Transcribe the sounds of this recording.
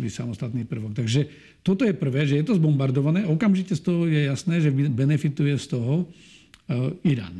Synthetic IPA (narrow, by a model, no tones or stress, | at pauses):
ʋisa̰mɔst̪at̪niːpr̩ʋɔk̚t̪aɡʒɛ | t̪ɔt̪ɔjɛpr̩ʋɛːʒɛjɛt̪ɔzbɔmbaɾd̪ɔʋanɛːɔkamʒicɛst̪ɔɦɔjɛjasnɛːʒɛbɛnɛfit̪ujɛst̪ɔɦɔ | iɾa̰ːn